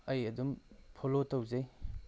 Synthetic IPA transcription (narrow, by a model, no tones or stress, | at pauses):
ɐjɐdumpʰolotɐwzej